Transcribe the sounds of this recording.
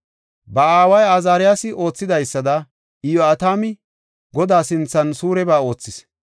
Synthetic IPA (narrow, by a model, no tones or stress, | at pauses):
bɐaːwɐjazaːɾɪjasɪʔo̞ːt͡sːɪd̪ɐjsːɐd̪ɐ | ɪjɔɐt̪aːmɪ | ɡɔd̪aːsɪnt͡sːɐnsuːɾɛbaːo̞ːt͡sːɪs